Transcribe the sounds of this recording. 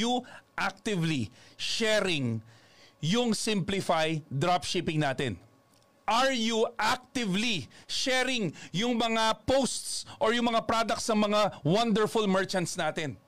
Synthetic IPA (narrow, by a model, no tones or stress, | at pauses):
uʔak̚t̪ɪvliʃɛɾɪŋ | jʊŋsɪmplɪfajd̪ɾap̚ʃipɪŋnaːt̪ɛ̰n | ʔɐɹjuʔak̚t̪ɪvliʃɛɾɪŋjʊŋmɐŋapowst̪sʔoɹjʊŋmɐŋapɾad̪ɐk̚tsnɐŋmɐŋawɐnd̪ɛɹfʊlmɛɹt͡ʃɐnt̪snaːt̪ɛn